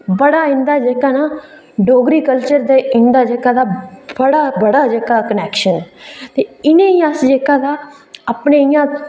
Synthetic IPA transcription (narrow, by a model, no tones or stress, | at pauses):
bəɽaːɪ̃nd̪aːd͡ʒeːkaːnaː | ɖoːɡɾiːkəlt͡ʃəɾd̪eːɪ̃nd̪aːd͡ʒeːkaːd̪aːbəɽaːbəɽaːd͡ʒeːkaːkənɛːkʃənt̪eːɪnẽːiːəsd͡ʒeːkaːd̪aː | əpneɪjãː